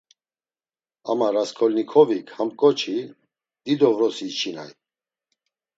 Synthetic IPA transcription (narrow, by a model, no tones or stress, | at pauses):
a̰maɾaskʰɔlnikʰɔvikʰhamkʼɔt͡ʃʰi | d̪̥id̪ɔvɾɔsit͡ʃʰina̰j